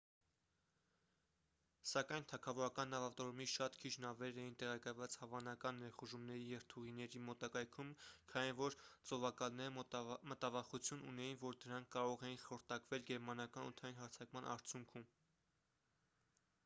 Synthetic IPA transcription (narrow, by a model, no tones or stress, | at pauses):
sɑkɑjnt̪ʰɑkʰɑvɔɾɑkɑnːɑvɑt̪ɔɾumiʃɑt̪kʰit͡ʃʰnɑvɛɾɛjint̪ɛʁɑkɑjvɑt͡shɑvɑnɑkɑnːɛɾχuʒumnɛɾijɛvt̪ʰuʁinɛɾimɔt̪ɑkɑjkʰumkʰɑnivɔɾt͡sɔvɑkɑlnɛɾəmət̪ɑvɑχut͡sʰjunṵnɛjinvɔɾd̪əɾɑŋkʰkɑɾɔʁɛjinχɔɾt̪ɑkvɛlɡɛɾmɑnɑkɑnṵt̪ʰɑjinɦɑɾt͡sʰɑkmɑnʔɑ̰ɾt͡sʰjuŋkʰum